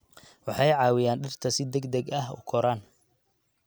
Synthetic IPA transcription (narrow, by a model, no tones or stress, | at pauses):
wɑħɑjʕɑːwɪjaːnɖɪrt̪ʰɐsɪd̪ɛɡd̪ɐɡɐhʊ̰kʰɔɾaːn